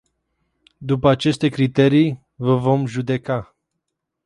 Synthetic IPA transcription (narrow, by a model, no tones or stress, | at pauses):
d̪upəat͡ʃe̞st̪e̞kɾit̪e̞ɾij | vəvo̞mʒud̪e̞ka